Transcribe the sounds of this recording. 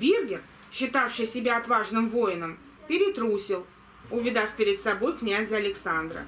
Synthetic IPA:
bʲerɡʲɪr | ɕːɪt̪afʂɨjsʲɪbʲaɐt̪vaʐnɨmvo̞jɪnəm | pʲɪɾʲɪt̪ɾusʲɪlˠ | ʊvʲɪd̪afpʲɪɾʲɪt̪sɐbo̞jknʲæzʲəɐlʲɪksand̪ɾə̰

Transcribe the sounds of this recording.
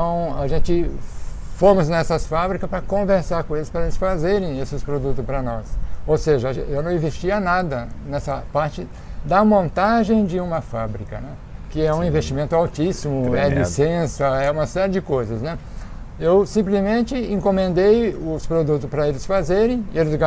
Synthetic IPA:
t̪ɐ̃w̃a̰ʒẽnt͡ʃɪ | fomʊznɛsɐsfabɾikɐspɾɐkõveɾsaɾkõelɪspɾɐelɪsfazeɾẽj̃esɪspɾod̪ut̪ʊspɾɐnɔsowseʒɐ̰ewnɐ̃w̃ĩvest͡ʃiɐnad̪ɐnɛsɐpaɾt͡ʃɪ | d̪ɐmõnt̪aʒẽj̃d͡ʒɪũmɐfabɾikɐnɛ | kɪɛũĩvest͡ʃimẽnt̪ʊawt͡ʃisimʊɛlisẽsɐɛũmɐsɛɾɪɪd͡ʒɪkojzɐsnɛ | ewsĩmplɪzmẽnt͡ʃɪĩŋkõmẽnd̪ejʊspɾod̪ut̪ʊspɾɐelɪsfazeɾẽj̃elɪzɡ

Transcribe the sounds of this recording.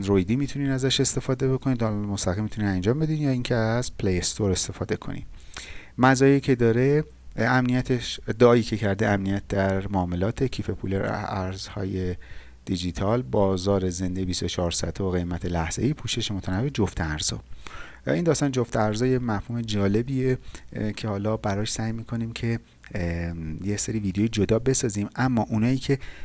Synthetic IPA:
nɾojd̪iːmit̪ʰuniːnæzæʃe̞st̪e̞fɒːd̪e̞be̞kʰoniːd̪ɒmost̪æɣiːmit̪ʰuniːnænd͡ʒɒːmbe̞d̪iːnjɒːiːŋcʰeæzpʰlejest̪oɾe̞st̪e̞fɒːd̪e̞kʰo̞̰nḭ | mæzɒːjecʰe̞d̪ɒːɾe | æmnijæt̪ʰeʃd̪ɒɒːiːcʰecʰæɾd̪eæmnijæt̪̚ʰd̪æɾmoːme̞lɒːt̪ʰecʰiːfe̞pʰṵleɾ̰æɾz̥hɒ̰ːje̞ | d̪̥id͡ʒit̪ʰɒlbɒːzɒːɾeze̞nd̪ejebist̪ot͡ʃʰɒːɾsæ̰t̪ʰooɣe̞jmæt̪ʰe̞læhz̥eiːpʰuːʃe̞ʃemot̪ʰænævːed͡ʒoft̪ʰæɾz̥ɒ̰ː | iːnd̪ɒːst̪ɒnd͡ʒo̞ft̪æɾzɒːjemæfhuːme̞d͡ʒɒːle̞biːecʰe̞hɒːlɒːbæɾɒːʃsæjmiːkʰo̞niːmcʰe̞ | jeseɾiːviːd̪eoːjid͡ʒod̪ɒːbe̞sɒːziːmæmːɒːʔunɒːjiːcʰe̞

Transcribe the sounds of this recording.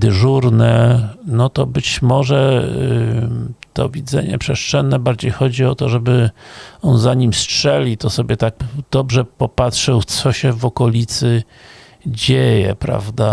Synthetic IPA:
d̪ɘʐuɾnɛnɔt̪ɔbɘt͡ɕmɔʐɛ | t̪ɔ̰vʲid̪zɛ̰ɲɛ̰pʂɛʂt͡ʂɛnːɛbaɾd͡ʑejxɔd͡ʑiɔt̪ɔʐɛbɘɔnzaɲimstʂɛlʲit̪ɔsɔbʲjɛt̪akd̪̥ɔbʐɛpɔpatʂɛwt̪sɔɕɛvɔkɔlʲit̪sɘ | d͡ʑejɛ̰pɾa̰vd̪a

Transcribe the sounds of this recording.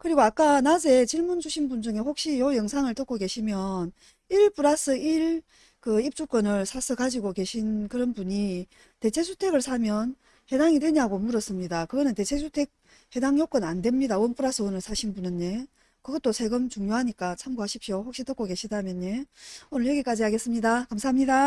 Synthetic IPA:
kɯɾiɡoak͈anad͡ʑe̞t͡ɕiɭmund͡ʑuɕʰinbund͡ʑuŋe̞hok̚ɕ͈ijojʌŋsʰaŋɯɭt͈ʌk͈oke̞ɕʰimjʌn | iɭp͈uɾas͈ʰɯiɭ | kɯip̚t͡ɕ͈uk͈ʌnɯɭsʰasʰɯkad͡ʑiɡoke̞ɕʰinkɯɾʌnbuɲi | te̞t͡ɕʰe̞sʰu̥tʰe̞ɡɯɭsʰamjʌn | he̞daŋitʰe̞ɲaɡomuɾʌs͈ɯmɲidakɯɡʌnɯnte̞t͡ɕʰe̞sʰutʰe̞k̚ | he̞daŋjok͈ʌnandwe̞mɲidaɯʌnp͈uɾas͈ʰɯonɯɭsʰaɕʰinbunɯnːe̞ | kɯɡʌt͈osʰe̞ɡɯmt͡ɕuŋɲoɦaɲik͈at͡ɕʰamɡoɦaɕʰip̚ɕohok̚ɕ͈it͈ʌk͈oke̞ɕʰidamjʌnɲe̞onɯɭjʌɡik͈ad͡ʑihaɡe̞s͈ɯmɲidakamsʰaɦamɲida

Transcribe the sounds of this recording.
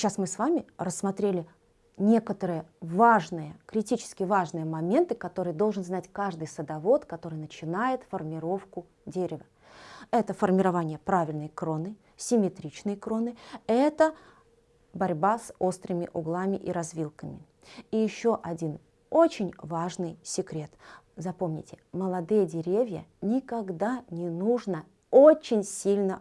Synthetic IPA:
ɕasmɨsvamʲɪrəsːmɐt̪ɾʲelʲɪ | nʲe̞kət̪əɾɨjəvaʐnɨjəkɾʲɪtʲit͡ɕɪ̥skʲɪvaʐnɨjəmɐmʲe̞nt̪ɨkɐt̪o̞ɾɨjəd̪olˠʐɨnznatʲkaʐd̪ɨjsəd̪ɐvo̞t̪kɐt̪o̞ɾɨjnət͡ɕɪnajɪt̪fərmʲɪɾo̞fkʊ | dʲeɾʲɪvə | ɛt̪əfərmʲɪɾɐvanʲɪjəpɾavʲɪlʲnəjkɾo̞nɨ | sʲɪmʲɪt̪ɾʲit͡ɕnɨjkɾo̞nɨɛt̪ə | bɐɾʲbaso̞st̪ɾɨmʲɪ̰ʔʊɡlˠamʲɪʔiɾɐzvʲilˠkəmʲɪ | ijɪɕːo̞ʔɐdʲin | ot͡ɕɪnʲvaʐnɨjsʲɪkɾʲe̞t̪ | zɐpo̞mnʲɪ̰tʲɪ̥məlˠɐd̪ɨjədʲɪɾʲevʲjə̰nʲɪkɐɡd̪anʲɪnuʐnə | ot͡ɕɪnʲsʲilʲnə

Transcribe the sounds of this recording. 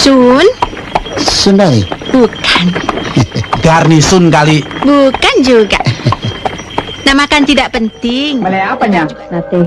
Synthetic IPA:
sun | sunaḭbukan | ɡarnisʊnkalibukand͡ʒuɡa̰ʔ | namakant̪idaʔpənt̪ɪŋməleapaɲanat̪i

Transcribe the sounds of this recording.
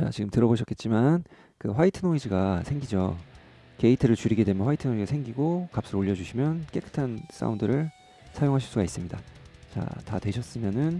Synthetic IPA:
t͡ɕa̰t͡ɕiɡɯmtɯɾʌboɕʰʌk͈e̞t̚t͡ɕ͈iman | kɯɸwaitʰɯnoid͡ʑiɡasʰeŋɡid͡ʑo | ke̞itʰɯɾɯɭt͡ɕuɾiɡe̞dwe̞mjʌnɸwaitʰɯnod͡ʑiɡasʰe̞ŋɡiɡokap̚s͈ɯɾoʎːʌd͡ʑuɕʰimjʌnk͈e̞k͈ɯ̥tʰans͈a̰undɯɾɯɭ | sʰajoŋɦaɕ̬ʰiɭs͈uɡais͈ɯmɲidat͡ɕa̰ta̰twe̞ɕʰʌs͈ɯmjʌnɯn

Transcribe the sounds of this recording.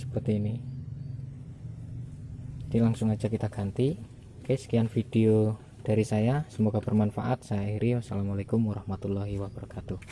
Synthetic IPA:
sə̥pərt̪iːni | d̥ilaŋsʊŋḁd͡ʒakit̪aɡ̥a̤nt̪i | kajsə̥kianfid̥eo | d̥a̤ɾisajasəmoɡabərmanfaʔat̪̚sajaiɾiwasalamalekʊmwaɾahmat̪ulːɔɦiwab̥aɾɔkat̪u

